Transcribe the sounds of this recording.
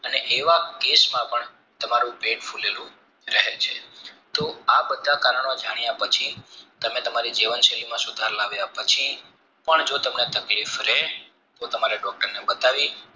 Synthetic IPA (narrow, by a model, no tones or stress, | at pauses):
əneʔeʋakesmãpəɳ | t̪əmaɾũpeɖfʰuleɾũ | ɾəɦet͡ʃʰet̪oabəd̪ʱːakaɾəɳod͡ʒaɽ̃ijapət͡ʃʰit̪əmẽt̪əmaɾid͡ʒiʋənʃelimãsʊd̪ʱaɾlaʋjapət͡ʃʰi | pəɳd͡ʒot̪əmnet̪əklifɾe | t̪ot̪əmaɾeɖɔk̚ʈəɾnebət̪aʋi